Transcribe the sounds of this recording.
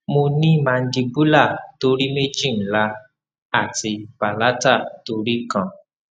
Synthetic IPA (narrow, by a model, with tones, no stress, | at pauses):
mo˧nĩ˦mã˧n̩˦di˧bu˦la˦˨to˦ɾi˦me˦d͡ʒĩ˦˨n̩˨la˧ | a˦˨ti˧pa˨la˦ta˦˨to˧ɾi˦kã˦˨